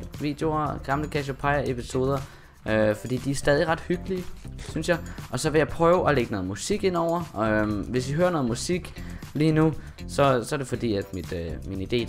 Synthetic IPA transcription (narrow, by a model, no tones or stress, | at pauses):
ʋḭːd̥eo̝ɐɡ̥ɑ̈mləkʰæɕopʰɑ̈ɪɐe̝pʰiso̝ːð̞ˠɐ | ʔøfɒd̥ḭːd̥iæɐsd̥ɛːðˠiʁɑ̈d̥hyɡ̥əliəsynsjɑ̈ɪʔɒ̽sɒ̽ʋe̝jɑ̈ɪpʰʁœːʊʔɒ̽leɡ̥ənɔ̽ːð̩ˠmusiɡ̥e̝n̰ɒʊ̰ɐʋe̝siɦøːɐnɔ̽ːð̩ˠmusiɡ̥liːnu | sɒ̽sɒæɐdɾe̝fɒ̽d̥ḭːæd̥mid̥minid̥e̝̰ː